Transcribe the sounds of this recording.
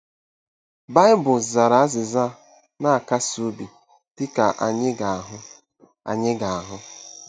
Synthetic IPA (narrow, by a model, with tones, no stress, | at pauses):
ba˦ɪ˦bʊ˨za˨ɾa˨a˦zɪ˨za˦˨ | na˦a˨ka˦so˦bi˨ | tɪ˦ka˨ʔa˨ɲɪ˦ɡa˨a˨ɦʊ˦ | a̰˨ɲɪ˦ɡa˨a˨ɦʊ˦